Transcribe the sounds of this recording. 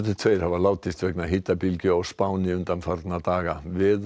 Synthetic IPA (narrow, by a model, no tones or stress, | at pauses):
t̪ɪ̥t̪ʰvejɾ̥havalaːwt̪ɪst̪vɛknaɦiːt̪ːapilcʏɔɣspaːwnɪʏnt̪anfaɾt̪nat̪aːɣavɪð